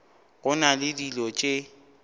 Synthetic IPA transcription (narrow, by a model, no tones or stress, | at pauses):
ɣʊnalɪdilɔt͡ʃʼɪ